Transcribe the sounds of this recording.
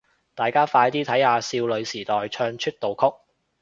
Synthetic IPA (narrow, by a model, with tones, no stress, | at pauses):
t̪aː˨jkaː˥faː˧jt̪iː˥t̪ʰɐ˨˥jhaː˧siː˧wlɵ˨˧ɥsiː˨˩t̪ɔː˨jt͡ʃʰœː˧ŋt͡ʃʰɵ˥t̚t̪o˨wkʰʊ˥k̚